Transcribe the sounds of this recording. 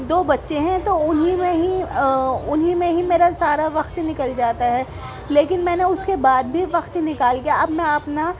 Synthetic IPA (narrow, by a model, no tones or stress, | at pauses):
d̪oːbɐtːʃeɦɛ̃t̪oʊnɦimẽɦi | ʊnɦimẽɦimeːɾasaːɾaʋɐxt̪inɪkəld͡ʒaːt̪aɦɛː | leːkɪnmɛ̃ːneʊskebaːd̪̚bʱiʋɐxt̪ɦinɪkaːlkijaʔɐbnaɐpna